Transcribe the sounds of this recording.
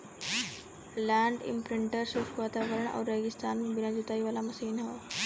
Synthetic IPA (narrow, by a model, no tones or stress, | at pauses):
lãɳɖḭmpɾiɳʈəɾsusʋat̪aʋəɾəɳa̰wɾːɛɡist̪ʰanbinad͡ʑut̪aiʋalaməsiːnɦaw